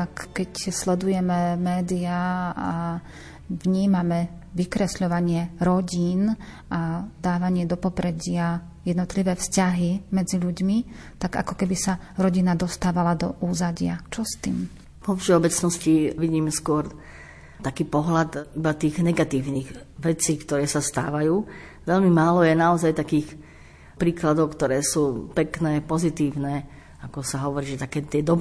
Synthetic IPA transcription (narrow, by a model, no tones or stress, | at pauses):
akkɛcslɛd̪ujɛmɛmɛːd̪iaa | ʋɲiːmamɛ | ʋikɾɛsʎɔʋaɲɪɛɾɔɟiːn | ʔad̪aːʋaɲɪɛd̪ɔpɔpɾɛɟɪa | jɛd̪nɔt̪liʋɛːfscaɦimɛd͡ziʎuɟmi | t̪aɡa̰kɔkɛbisa | ɾɔɟinad̪ɔst̪aːʋalad̪ɔ̰ʔuːzaɟɪa̰t͡ʃɔst̪ḭːm | pɔfʃɛɔbɛt͡snɔsciʋiɟiːmskʊɔɾ | t̪akiːpɔɦlat̪ibat̪iːɣnɛɡat̪iːʊniːɣʋɛt͡siːkt̪ɔɾɛːsast̪a̰ːʋajuː | ʋɛʎmimaːlɔjɛnaɔzajt̪akiːx | pɾiːklad̪ɔʊkt̪ɔɾɛːsuːpɛknɛːpɔzit̪iːʊnɛː | akɔsaɦɔʋɔɾiːʒʒɛt̪akɛːt̪ɪɛd̪ɔb